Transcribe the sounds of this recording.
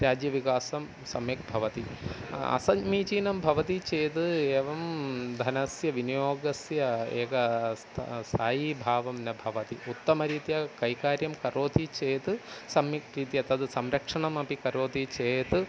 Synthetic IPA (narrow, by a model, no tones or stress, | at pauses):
ɾjaːd͡ʒjɐʋikaːsɐm | sɐmjek̚bʱɐʋɐt̪iɐ̰sɐmiːt͡ʃiːnɐmbʱɐʋɐt̪it͡ʃeːt̪ɨeːʋɐmd̪ʱɐnɐsjɐʋinijoːɡɐsjɐḛːɡɐst̪ʰst̪ʰaːjibʱaːʋɐmnɐbʱɐʋɐt̪iut̪ːɐmɐɾiːt̪ijɐkɐjkaːɾjɐmkɐɾoːt̪it͡ʃejt̪ɨsɐmɾiːt̪iɐt̪ʰɐd̪ɨsɐmɾɐkʂɐɳɐmɐpikɐɾoːt̪it͡ʃeːjt̪ɨ